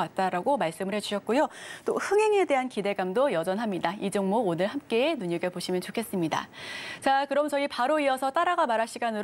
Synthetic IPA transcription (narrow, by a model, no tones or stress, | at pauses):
at̚t͈aɾaɡomaɭs͈ɯmɯɭhe̞d͡ʑuɕʰʌt̚k͈ujot͈ohɯŋɦe̞ŋe̞de̞ɦankide̞ɡamdojʌd͡ʑʌnɦamɲidaid͡ʑʌŋmoːnɯɭɦamk͈e̞ːnuɲʌɡepoɕʰimjʌnt͡ɕokʰes͈ɯmɲida̰t͡ɕakɯɾʌmt͡ɕʌipaɾoiʌsʰʌt͈aɾaɡamaɾaɭɕʰiɡanɯɾ